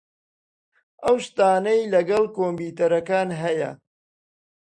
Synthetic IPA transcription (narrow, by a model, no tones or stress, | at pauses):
ɐwsʃt̪aːnɐjlɐɡɐlˠkoːmbiːt̪ɐɾɐkaːnɦɐjɐ̰